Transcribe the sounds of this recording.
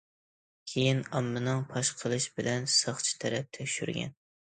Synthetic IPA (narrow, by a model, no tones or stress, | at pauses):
kʲʰejinɑmːɨnɨŋpʰɑʃqʰəlˠɨʃbɪlɛnsɑχt͡ʃʰi̥t̪ʰɛɾɛp̚t̪ʰɛkʲʃy̰ɾɡʲɛ̰n